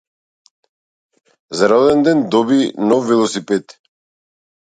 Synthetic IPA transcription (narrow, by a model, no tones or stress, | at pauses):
zaɾɔlɛnd̪ɛnd̪ɔbinɔfːɛlˠɔsipɛt̪